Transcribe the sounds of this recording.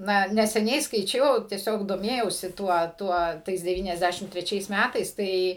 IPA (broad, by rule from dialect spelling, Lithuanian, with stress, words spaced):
ˈnɐ nʲɛsʲɛˈnʲɛɪ skɐɪˈt͡ʃʲɛʊ tʲiɛˈsʲoːk doːˈmʲeːjɛʊsʲɪ ˈtuɔ ˈtuɔ ˈtɐɪs dʲɛˌʋʲiːnʲɛzʲˈdʲæʃʲɪm tʲrʲɛˈt͡ʃʲɛɪs ˈmʲætɐɪs ˈtɐɪ